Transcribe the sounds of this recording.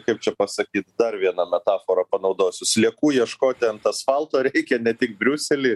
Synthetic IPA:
kɐɪp̚t͡ʃʲɛpɐsɐkʲiːt̪d̪ɐrʋʲiɛnɐmʲɛt̪ɑːfoːɾɐpɐnɐʊd̪oːsʲʊslʲiɛkuːjiɛʃkoːt̪ʲɛnt̪ɐsfɐlˠt̪oːɾʲɛɛɪkʲɛnʲɛt̪ʲɪk̚bʲɾʲʊsʲɛlʲiː

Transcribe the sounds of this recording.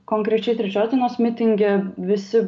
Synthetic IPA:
koŋʲkɾʲɛt͡ɕʲɛɪt̪ʲɾʲɛt͡ʃʲoːd̪ʲenoːsmʲɪt̪ʲɪŋʲɡʲɛʋʲɪsʲɪ

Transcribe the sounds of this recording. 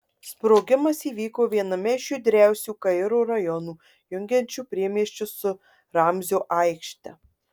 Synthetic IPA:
spɾoːɡʲɪmɐsiːʋʲiːkoːʋʲiɛnɐmʲɛɪʃʲjuːd̪ʲɾʲæˑʊsʲuːkɐɪɾuːɾɐjɔnuː | jʊŋʲɡʲɛnʲt͡ʃʲuːpʲɾʲiɛmʲiɛʃʲt͡ʃʲʊsʊ | ɾɑmʲzʲoːʔɐɪkʃʲt̪ʲɛ̰

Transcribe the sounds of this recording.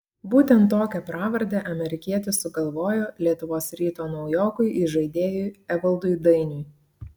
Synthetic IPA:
buːt̪ʲɛnt̪ːoːkʲɛpɾɑːʋɐɾʲd̪ʲɛʔɐmʲɛɾʲɪkʲiɛt̪ʲʊsʊɡɐlˠʋoːjoːlʲiɛt̪ʊʋoːsɾʲiːt̪oːnɒʊjoːkʊɪʔiʒɐɪd̪ʲeːjʊjɛʋɐlˠd̪ʊɪd̪ɐɪnʲuɪ

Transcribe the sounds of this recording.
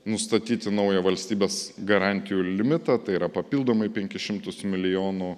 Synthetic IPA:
nʊst̪ɐt̪ʲiːt̪ʲɪnɐʊjɛʋɐlʲsʲt̪ʲiːbʲeːsɡɐɾɑˑnʲt̪ʲɪjuːlʲɪmʲɪt̪ɑt̪ɐɪiːɾɐpɐpʲilˠd̪oːmɐɪpʲɛŋʲkʲɪʃʲɪmt̪ʊsmʲɪlʲɪjoːnʊ

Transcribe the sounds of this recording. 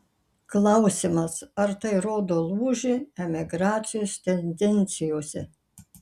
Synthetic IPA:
klˠɐʊsʲɪmɐsɐɾt̪ɐɪɾoːd̪oːlˠuːʒʲɪɛmʲɪɡɾɑːt̪sʲɪjoːst̪ʲɛnʲd̪ʲɛnʲt̪sʲɪjoːsʲɛ

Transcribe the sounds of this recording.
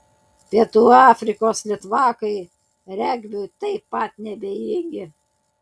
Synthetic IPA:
pʲiɛt̪uːɑːfʲɾʲɪkoːslʲɪt̪ʋɑːkɐɪ | ɾʲɛɡʋʲʊt̪ɐɪpːɐt̪nʲɛbʲɛjɪŋʲɡʲɪ

